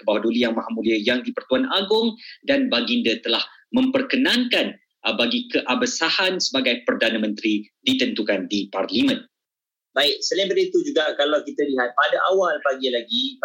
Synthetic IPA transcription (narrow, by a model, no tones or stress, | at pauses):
kəbawadolijaŋmaɦamũliəjaŋdipərt̪uanaɡʊŋdanbaɡindət̪əlah | mə̃mpərkənãnkan | baɡikəʔabəsahansəbaɡajpərdanəmə̃nt̪ɾidit̪ənt̪ukandiparlimə̃n | baɪk̚səlabətit̪ud͡ʒuɡakalawkit̪əliɦat̪̚padaʔawalpaɡilaɡi